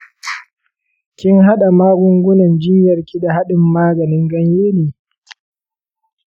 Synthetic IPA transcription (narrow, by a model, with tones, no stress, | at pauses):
kʲɪ˦ŋɦa˦ɗa˨maː˦ɡʷʊ˦ŋɡʷʊ˦nɐ˨nd͡ʒɪ˦mjɐ˨rkʲi˦da˨ha˦ɗɪ˨mːaː˦ɡɐ˨nɪ˦ŋɡɐ˦ɲjeː˦neː˨